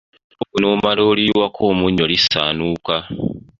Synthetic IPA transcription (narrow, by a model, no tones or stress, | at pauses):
okunoːmaloːliwakʰoːmuɲːolisa̰ːnuːka